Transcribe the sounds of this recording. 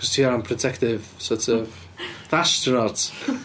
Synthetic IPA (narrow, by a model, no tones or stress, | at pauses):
kɔz̥tʰiːampʰrɔtʰɛktɪvsɔˑtʰɔv | ðaʃtʰunɔt